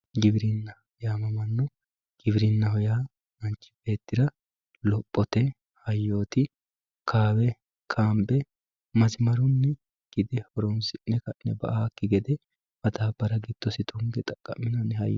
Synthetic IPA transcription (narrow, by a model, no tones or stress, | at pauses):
ɡɪbɪɾɪnːɐ | jaːmɐmɐnːɔ | ɡ̥ɪbɪɾɪnːɐɦɔja | ɐnt͡ʃːɪ̥be̞ːt̪ːɪɾɐ | lɔpʼːɔt̪ɛ | hɐjːoːt̪ɪ | kʰaːwɛ | kʰaːmbɛ | mɐzɪmɐɾʊnːɛ | ɡ̥ɪd̪ɛhɔɾɔmsɪnːɛkɐnːɛbɐ̰ʔaːkːɪɡɛd̪ɛ | mɐt̪aːbɐɾɐɡɪd̪̥ːɔsɪt̪ʊŋɡɛt̪ʼɐkʼːɐmɪnɐnɛhɐ̰j